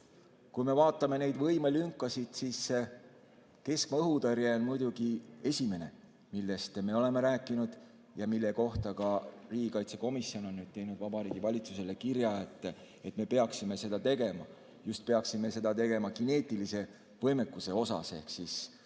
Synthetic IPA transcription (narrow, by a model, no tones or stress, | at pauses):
kujme̞vɑːt̪ːˑɑme̞ne̞jd̪vɤjmelyŋkːˑɑsid̪̥sis | ke̞skmɑɤɦud̪ɑɾjeonmujd̪̥uɡ̥ie̞sʲime̞ne̞ | milːe̞st̪me̞o̞le̞me̞ɾæːkːˑinud̪̥ | jɑmilːe̞ko̞ht̪ɑkɑriːɡ̥ikɑjt̪seko̞misːio̞no̞nːyd̪̥̚t̪e̞jnud̪̥vɑbɑɾiːɡ̥ivɑlʲit̪suse̞le̞kirjɑet̪ːˑ | e̞t̪ːˑme̞pe̞ɑksime̞se̞d̪ɑt̪e̞ɡe̞mɑ | just̪̚pe̞ɑksime̞se̞d̪̥ɑt̪e̞ɡe̞mɑkine̞ːt̪ːˑilise̞ | vɤjme̞kˑːuse̞o̞sɑ̰se̞hksis